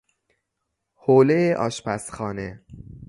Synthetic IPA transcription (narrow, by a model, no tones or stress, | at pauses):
hoːlejeʔɒ̰ːʃpæsxɒːne